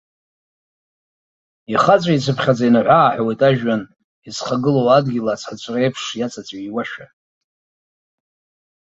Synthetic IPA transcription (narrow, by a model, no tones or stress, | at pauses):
iχat͡sʷʼait͡sʰɨpʰχʲad͡zainaʕʷaːħawejtʼaʒᶣːan | izχaɡɨlowadɡʲilat͡sʰħat͡ɕʷʰʼrejpʰʂjat͡sʼat͡sʷʼɥiwaʃᶣa